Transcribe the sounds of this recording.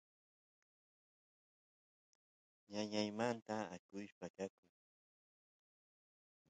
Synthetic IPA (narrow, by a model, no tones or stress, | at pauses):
jaɲajmant̪aːkʊjpakakʊŋ